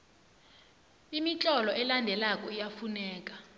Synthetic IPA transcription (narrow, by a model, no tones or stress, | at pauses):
imit͡ɬʼɔlɔʔɛlandʱɛlakʼɔijafunɛːk̬ʼa